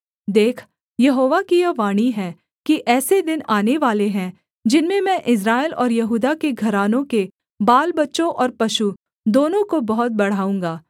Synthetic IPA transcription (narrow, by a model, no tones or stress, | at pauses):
d̪eːkʰ | jɐɦoːʋakijɐʋaːɽ̃iɦɛ̃ | kiʔɛːsed̪ɪnaːneʋaːleɦɛ̃ | d͡ʒɪnmẽmɛ̃ːʔɪs̬ɾaːɪlɔ̰ːɾjɐɦuːd̪akeɡʱɐɾaːnõke | baːlbɐtːʃõʔɔːɾpɐʃu | d̪oːnõkobɐɦʊt̪̚bɐɽ̤aːũːŋɡaː